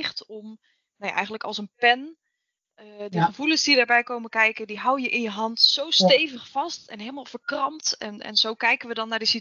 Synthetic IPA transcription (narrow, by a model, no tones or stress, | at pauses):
χtɔm | noja̰ʔɛ̰jχəntləkɑlˠsənpɛn | diχəvulənsdidəɹbɛjkowməkɛjkədiɦawjəʔɪnjəɦɑntsowstejvəχfɑstɛnɦejlˠəmaːlˠv̥əɹkrɑmtɛnɛ̰nz̥owkɛjkənʋədɑnːaːɹdəsit